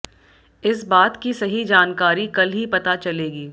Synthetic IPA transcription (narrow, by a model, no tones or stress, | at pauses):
ɪsbaːt̪kisɐɦid͡ʒaːnkaːɾikɐlɦipɐt̪at͡ʃɐleːɡiː